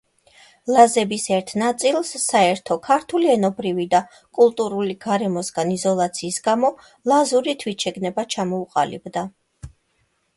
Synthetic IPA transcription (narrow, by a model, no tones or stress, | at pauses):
lˠazɛbisɛɾt̪ʰnat̪sʼilˠsːaɛɾt̪ʰɔkʰaɾt̪ʰuliɛnɔbɾivid̪a | kʼulˠt̪ʼuɾuliɡaɾɛmɔsɡanizɔlˠat̪sʰiːsɡamɔ | lˠazuɾit̪ʰwit̪ʃɛɡnɛbat͡ʃʰamɔuqʼa̰libd̪a